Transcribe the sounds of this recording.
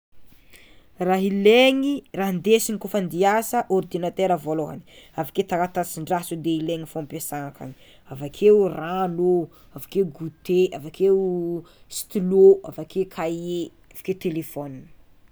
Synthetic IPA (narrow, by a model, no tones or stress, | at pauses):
raɦileŋiraɦnd̪esinikofand̪iasəʔɔrd̪inat̪eɾavoloɦa̰ni̥avaket̪akat̪at͡siɳɖ͡ʐasud̪eileŋifompesaŋaka̰ni̥ | avakʰeurano | avakeuɡut̪eavakʰeu | st̪iloa̰fakʰekʰaje | avḁket̪elefɔnin